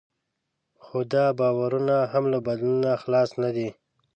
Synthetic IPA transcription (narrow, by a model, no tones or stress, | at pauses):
xod̪ɑbɑwaɾunaɦamlabad̪lunaxlɑsnad̪i